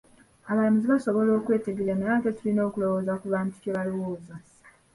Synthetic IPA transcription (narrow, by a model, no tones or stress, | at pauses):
aβalamiziβaso̞βo̞lo̞ːkwe̞ːte̞ɡeɾanaβatetulino̞ːkulo̞woːzakuβaːntu̥ceβalowoːza